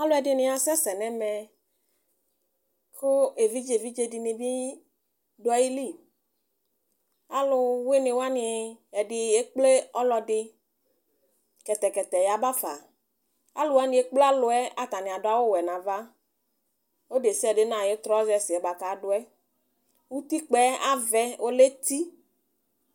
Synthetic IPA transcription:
a˦lʊ˦ɛ˨dɪ˨nɪ̃˦a˨sɛ˦sɛ˨nɛ˦mɛ˨ | kʰʊ˦e˨vi˦d͡ʒe˨vi˦d͡ʒe˦di˨mĩ˨bi˦ | dʊ˦ɛ˦ji˦li˦˨ | a˨˦lʊ˦we˦ne˨wa˦ni˨ɛ˨dɪ˨je˦k͡ple˦ɔ˦lɔ˧dɪ˧ | kɛ˨t̪ɛ˨kɛ˨t̪ɛ˨ja˨ba˦fa˨ | a̰˦lʊ˨wa˦nɪ̃˨e˦k͡ple˦a˦lʊ˨ɛ˦a˨t̪a˨nɪ˨a˨dʊ˦a˨˦wʊ˦wɛ˨nã˨va˦ | o˦de˨sɪ˦ɛ˨dɪ˦nã˨je˦t̪ɾɔ˦zɛ˦sɪ˨ɛ˨˦ba˨ka˨˦dʊ˨˦ɛ˦ | wu˦t̪i˦k͡pɛ˨˦a˦vɛ˦wʔo˦le˦t̪i˦

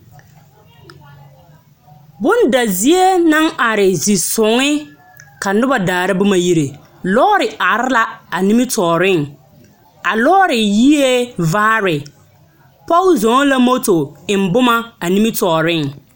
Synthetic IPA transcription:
bʊ˦nda˨zi˦e˦na˦ŋa˨ɾɪ˨zi˨sʊ˨ŋɪ˦ | ka˨nʊ˦ba˨daː˨ɾa˦bʊ˦ma˨ji˦ɾe˨ | lɔː˦ɾɪ˨a˨ɾɪ˦la˦a˨ni˦mɪ˦tʰɔː˨ɾɪ˦ŋ | a˨lɔː˦ɾɪ˨ji˦e˦vaː˦ɾɪ˨ | pɔ˦lzo˨˦la˦mo˦to˨ɪ˨m˨˦bʊ˦ma˦a˨ni˦mɪ˦tɔː˨ɾɪ˦ŋ

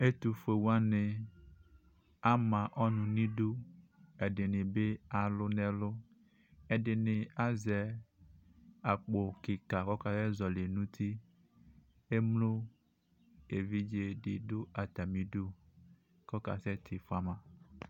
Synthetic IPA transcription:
e˦t̪u˨fe˨wu˦a˦ne˨ | a˦mã˨ʔɔ˦nũ˨nĩ˦do˦e˨ɖe˨nɪ̃˨be˦a˨lʊ˦nɛ̃˨lʊ˦ | e˨ɖɪ˨nɪ̃˨a˦zɛ˨ | a˨k͡po˨ki˨ka˨kɔ˦ka˨sɛ˦zɔ˨le˨nũ˦t̪ʰi˦ | e˦mlo˦ | e˨vi˦d͡ʒe˦ɖɪ˨do˦a˨t̪a˨mĩ˨do˦ | kɔ˦ka̰˨sɛ˦t̪ʰɪ˨fa˦mã˨

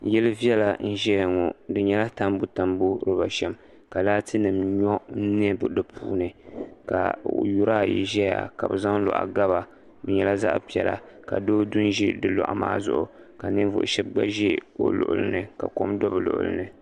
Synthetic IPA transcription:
jɛ˦lɨ˦vi˦ɛ˦la˨n̩˦ʒɛ˦jŋɔ˨dɨ˨ɲɛ˦la˦ta˦mbu˦ta˨mbu˦ɾɨ˦ba˨ʃɛ˦m | ka˨laː˦tɨ˦nɨ˨mɲɔ˦ni˦ɛ˦bdɨ˨pʰuː˦nɨ˨ka̰˨ju˦ɾaː˦˨jḭ˨ʒɛ˦ja̰˨ka̰˨bɨ̰˨za˦ŋ˦lɔ̰˨ʔa̰˨ɡa˦βa˨ | bɨ˨ɲɛ˦la˦za̰˦ʔpi˨˦ɛ˨la̰˨ | ka̰˨doː˦dʊ˦nʒi˦dɨ˦lɔ̰˨ʔa̰˨ma̰ː˦zʊ̰˨ʔʊ˨ | ka˨nɨ˦n˦vʊ̰˨ʔʃɛ˦bɡ͡ba̰˦ʒɛ˦o̰˦lʊ̰˨ʔʊ˨lɨ̰˦nɨ˨ka̰˨ko˦mdɔ˦bɨ˨lʊ̰˨ʔʊ̰˨lɨ̰˦nɨ˨

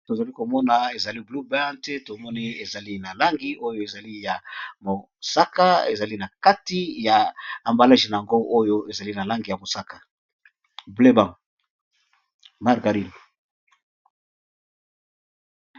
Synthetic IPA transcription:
to˨za˨li˦ko˨mɔ˦na˨e˨za˨li˦blu˦ba˦ntɛ˦to˨mɔ˦ni˦e˨za˨li˦na˨la˦ŋɡi˦ʔo˦jo˨e˨za˨li˦ja˨mo˨ | sa˦ka˦ḛ˨za˨li˦na˨ka˦ti˦ja˨a˨mba˨la˦ʒi˨na˨ja˨ŋɡo˦ʔo˦jo˦e˨za˨li˦na˨la˦ŋɡi˨ja˨mo˨sa˦kḁ˨ | ble˦bã˨ŋ | ma˨ʁɡa˨ʁi˦l

